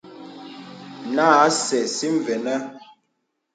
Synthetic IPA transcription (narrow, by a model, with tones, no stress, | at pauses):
na˦˨a˦sɛ˨si˦ɱ˨vɛ˨nə˦